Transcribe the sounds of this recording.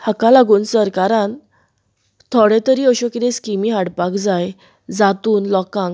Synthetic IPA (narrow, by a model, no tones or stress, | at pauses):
həkalaɡuːnsəɾkaɾãn | t̪ʰoɽet̪əɾiːəɕokit̪ẽskimiːɦaɽpakd͡zaj | d͡zat̪uːnlɔkãŋɡ